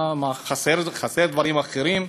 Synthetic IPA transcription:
maχaseɾχaseɾd̪vaɾimaχeɾim

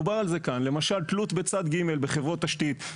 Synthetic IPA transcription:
ubaʁalze̞kanle̞maʃalt̪lut̪bet͡sad̪ɡime̞lbe̞χe̞vʁot̪ːaʃt̪it̪

